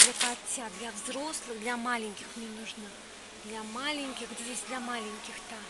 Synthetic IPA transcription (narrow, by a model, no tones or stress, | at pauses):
d̪lʲɐpat͡sʲːad̪lʲɐvzɾɔslˠɨxd̪lʲɐmalʲenʲkʲixmʲnʲɛnuʐnɐ | d̪lʲɐmalʲenʲkʲixd͡zʲvʲesʲd̪lʲɐmalʲenʲkʲixt̪a